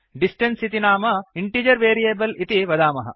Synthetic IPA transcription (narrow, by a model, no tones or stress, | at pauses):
ɖisʈensit̪inaːmɐiɳʈiːd͡ʒɐɾʋeːɾijeːbɐlit̪iʋɐd̪aːmɐɦɐ̰